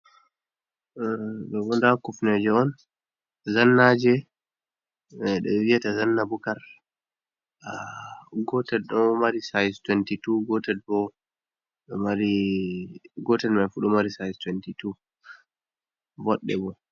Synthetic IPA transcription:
bɛbɔndakufnɛd͡ʒɛɔn | zanːad͡ʒɛ | ɗɛwiatazanːabukaɾ | aɡɔtɛɗɔmaɾisajztwɛntituɡɔtɛd̚bɔ | maɾi | ɡɔtɛdmajfuɗɔmaɾisajztwɛntitu | wɔɗːɛ̰bɔ

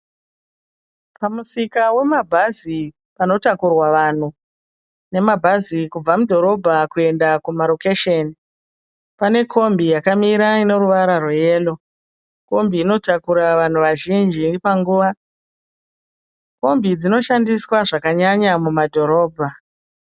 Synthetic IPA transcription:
pamusikawe̞mabʱazi | pano̞takurwaʋan̤u | ne̞mabʱazikub͡vamudʱo̞ɾo̞bʱakue̞ndakumaɾo̞keʃeni | pane̞kʰo̞mbijakamiɾaino̞ɾuʋaɾaruje̞ːlo̞ | ko̞mbiːno̞takuɾaʋan̤uʋaʒind͡ʒipaŋɡuːʋa | ko̞mbid͡zino̞ʃandiswaʐakaɲaɲamumadʱo̞ɾo̞ːbʱa

